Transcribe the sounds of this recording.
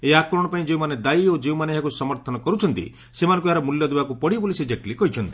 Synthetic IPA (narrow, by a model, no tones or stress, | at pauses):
eakɾɔɽ̃ɔpaĩd͡ʒeũmaned̪aiod͡ʒeũmaneɦakusɔmɔɾt̪ʰɔnɔkɔɾut͡ʃʰɔnt̪ḭ | semanɔ̃ŋk̬uɦaɾɔmuljɔd̪ebakupɔɽibulised͡ʒeʈlikɔɦit͡ʃʰɔnt̪i̥